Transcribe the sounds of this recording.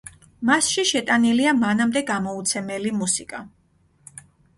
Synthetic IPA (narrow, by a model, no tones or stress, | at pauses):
masʃiʃɛt̪ʼaniliamanamd̪ɛɡamɔut̪sʰɛmɛlimusikʼa